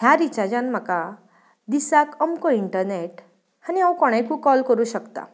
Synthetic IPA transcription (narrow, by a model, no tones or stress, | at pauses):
ɦjaɾit͡ɕad͡ʑanm̤əka | d̪isakəmkoiɳʈəɾneʈ | hañiawkɔɽ̃ajkũkɔlkəɾuɕəkt̪a̰